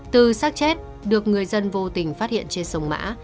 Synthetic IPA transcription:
t̪ɨ˨˩saː˦˥k̚t͡ɕɛ˦˥t̚ | ɗɨ˨˩ək̚ŋɨ˨˩əjzə˧nvo˧t̪ï˨˩ŋ̟faː˦˥t̚hḭ˧˨ənt͡ɕe˧nsə˧wŋ͡mma̰ː˧˥

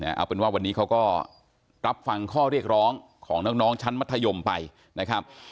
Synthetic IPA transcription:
na̰˦˥ʔa̰˧˩wpe˧nwaː˥˩wa˧nːiː˦˥kʰa˦˥wkɔː˥˩ | ɾa˦˥p̚fa˧ŋkʰɔː˥˩ɾi˥˩ək̚ɾɔː˦˥ŋkʰɔː˩˦ŋnɔː˦˥k̚nɔː˦˥ŋt͡ɕʰa˦˥nma˦˥t̪ʰːa˧jo˧mpa˧j | na˦˥kʰɾa˦˥p̚

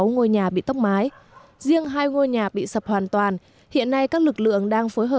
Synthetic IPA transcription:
wŋo˧jɲaː˨˩ɓḭ˧˨t̪ə˦˥k͡p̚maː˨˦j | zi˧əŋɦaː˧jŋo˧jɲaː˨˩ɓḭ˧˨sə˨˩p̚hwaː˨˩nt̪waː˨˩n | hḭ˧˨ənːa˧jkaː˦˥k̚lɨ˨˩k̚lɨ̰˧˨əŋɗaː˧ŋfo˨˦jɦəː˨˩

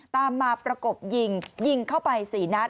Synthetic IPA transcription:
t̪aː˧mːaː˧pɾa˧ko˨˩p̚ji˧ŋji˧ŋkʰa˥˩wpa˧jsiː˩˦na˦˥t̪̚

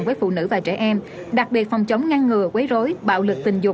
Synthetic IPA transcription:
nŋvəː˨˦jfṵ˧˨nɨ̰˧˥˩vaː˨˩t͡ɕɛ˧˩ʔɛ˧m | ɗa˨˩k̚ɓi˨˩ət̚fɔ˨˩wŋ͡mt͡ɕə˨˦wŋ͡mŋa˧ŋːɨ˨˩əkwe˨˦jzo˨˦jɓa̰ː˧˨wlɨ˨˩k̚t̪ï˨˩ŋ̟zʊ˨˩

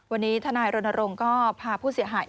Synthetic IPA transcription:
wa˧nːiː˦˥t̪ʰa˧naː˧jɾo˧nːa˧ɾo˧ŋkɔː˥˩pʰaː˧pʰuː˥˩si˨˩˦əɦaː˩˦j

